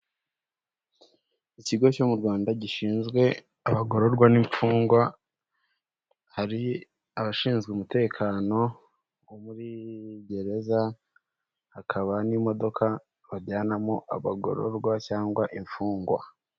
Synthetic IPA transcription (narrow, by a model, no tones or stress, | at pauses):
iciɡo̞co̞muɾɡwaːndaɟiʃiːnzɡwe̞ | aβaɡo̞ɾo̞ɾɡwaniɱfuːŋɡwa | haɾi | aβaʃiːnzɡeumute̞ːkʰaːno̞ | omuɾiɟe̞ɾe̞za | hakʰaβanimo̞do̞kʰa | βaɾɟaːnamoʔaβaɡo̞̰ɾo̰ɾɡwacaːŋɡwaʔiɱfuːŋɡwa̰